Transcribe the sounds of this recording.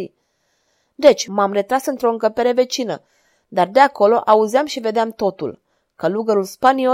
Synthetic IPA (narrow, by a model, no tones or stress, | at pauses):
ḭ | d̪e̞t͡ʃʲmamre̞t̪ɾasɨnt̪ɾo̞ɨŋkəpe̞ɾe̞ve̞t͡ʃinə | d̪ard̪eako̞lo̞ʔauziamʃive̞d̪eamt̪o̞t̪ṵl | kəluɡəɾulspanio